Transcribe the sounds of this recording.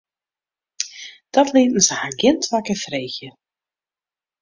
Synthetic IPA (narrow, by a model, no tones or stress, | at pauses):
d̥ɔtliːtn̩səhaɡɪntʰʋakəfreːxjə